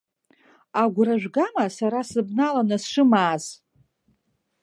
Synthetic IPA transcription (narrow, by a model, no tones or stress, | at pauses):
aɡʷraʒʷᶣɡamasaɾasɨbnalanɨsʂɨmaːz